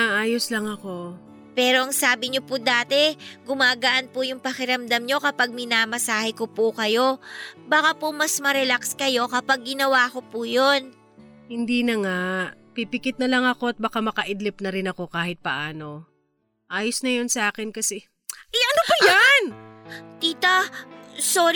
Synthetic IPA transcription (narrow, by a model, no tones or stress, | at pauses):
naʔaːjoslɐŋɐko̞ | pɛːɾo̞ʔɐŋsaːbɪɲopʊd̪aːt̪ɛɡʊmaːɡaʔɐnpʊjʊŋpɐkɪɾɐmd̪ɐmɲo̞kɐpaɡ̚mɪnaːmɐsaːhɪko̞pukɐjo̞baːkapʊmɐsmɐɾɛlakskɐjo̞kɐpaɡ̚ːɪnɐwaːko̞pujo̞n | hɪnd̪iːnɐŋapipɪkɪt̪̚nɐlɐŋɐko̞ɐt̪̚bakamɐkɐʔɪd̪lɪp̚nɐɾɪnɐko̞kaːhɪt̪̚pɐʔaːno̞ | ʔaːjosnɐjonsɐʔaːkɪnkɐsɛ | ʔɐjʔɐnopʊjant̪iːt̪ɐ | soːɾ